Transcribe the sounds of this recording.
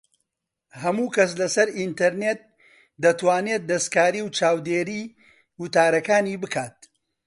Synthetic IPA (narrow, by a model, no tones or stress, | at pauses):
hɐmuːkɐs̬lɐsɐɾint̪ɐɾnet̪̚ | d̪ɐt̪waːneːt̪̚d̪ɐskaːɾiːwt͡ʃaːwd̪eːɾiː | wʊt̪aːɾɐkaːniːbɨkʰaːt̪̚